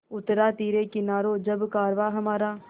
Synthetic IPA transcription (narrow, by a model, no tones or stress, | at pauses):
ʊt̪ːɾaːt̪iːɾeːkɪnaːɾoːd͡ʒɐbkaːɾʋaːɦɐmaːɾaː